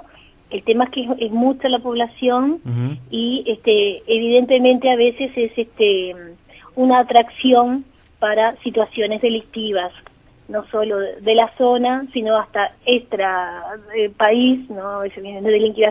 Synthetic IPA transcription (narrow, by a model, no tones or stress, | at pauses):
elt̪e̞maehkeeezmut͡ʃalapo̞βlasjo̞niest̪eːβiðe̞nt̪e̞mẽnt̪eaβe̞se̞sesest̪e | unaːt̪ɾaksjon | paɾasit̪wasjo̞ne̞zðe̞lik̚t̪iβ̞as | no̞so̞lo̞ðe̞laso̞nasino̞ast̪aest̪ɾaepaisnoeseβjenenðeliŋkiβa